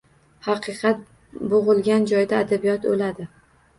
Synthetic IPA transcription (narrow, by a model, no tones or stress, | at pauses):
hɑqʰɨqʰɑt̪̚ | boʁɨlˠɡʲand͡ʒɒjd̪aːd̪abijɒt̪o̰lad̪ɪ